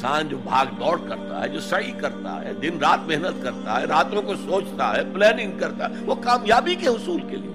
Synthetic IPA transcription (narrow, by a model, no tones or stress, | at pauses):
saːnd͡ʒoːbʱaːɡɖɔːɽkɐɾt̪a̰ɦɛ̰d͡ʒoːsɐikɐɾt̪a̰ɦɛ̰ːd̪ɪnɾaːt̪mɛɦnət̪kɐɾt̪a̰ɦɛɾaːt̪õkosoːt͡ʃt̪a̰ɦɛplɛːnɪ̃ŋɡ̚kɐɾt̪a̰ɦɛʋokaːmjaːbikeɦʊsuːlkeliḛ